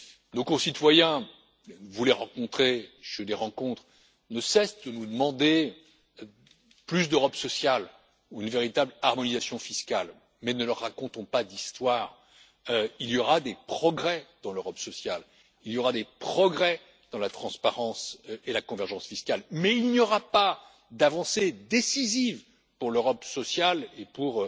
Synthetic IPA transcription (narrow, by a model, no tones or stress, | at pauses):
nokɔ̃sit̪wajɛ̃ | vulɛʁɑ̃kɔ̃t̪χeʃeleʁɑ̃kɔ̃t̪χ | nəsɛsd̪ənud̪əmɑ̃d̪e | plys̬d̪øʁɔpsɔsjal | uynveʁit̪ablaʁmɔnizasjɔ̃fiskʲal | mɛnəlœʁːakɔ̃t̪ɔ̃pad̪ist̪waːʁ | øiljɔʁad̪epχɔɡʁɛd̪̥ɑ̃løʁɔpsɔsjal | iljɔʁad̪epχɔɡʁɛ | d̪̥ɑ̃lat̪χɑ̃spaʁɑ̃selakɔ̃vɛʁʒɑ̃sfiskalmɛilnjɔʁapa | d̪avɑ̃sed̪esiziv | puʁløʁɔpsɔsjalepuʁ